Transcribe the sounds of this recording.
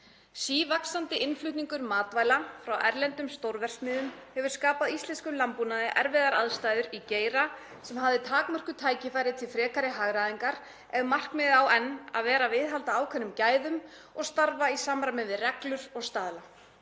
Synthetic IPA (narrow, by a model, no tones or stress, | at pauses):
siːvaksant̪ɪʔɪnflʏht̪niŋkʏɾmaːt̪vaːjlafɾawʔɛ̰ɾlɛnt̪ʏmst̪owɾvɛr̥t̪mɪːðʏmhɛvʏɾ̥skaːpaðist̪lɛnskʏmlampunaðɪʔɛɾvɛðaɾaðst̪ajðʏɾiceːjɾa | sɛmhavðɪt̪ʰaːkmœr̥kʏt̪ʰaːjcɪfajɾɪt̪ʰɪlfɾɛːkaɾɪɦaɣɾaðiŋkaɾ | ɛðmar̥kmɪðawɛnːa̰ðvɛːɾavɪðɦalt̪aːwkʰvɛnːʏmcaːjðʏm | ɔɣst̪aɾvaisamɾamɪvɪðrɛklʏɾɔɣst̪aːðla